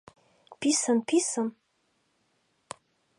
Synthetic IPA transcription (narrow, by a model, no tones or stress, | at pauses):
pʰisɐmpʰisɐm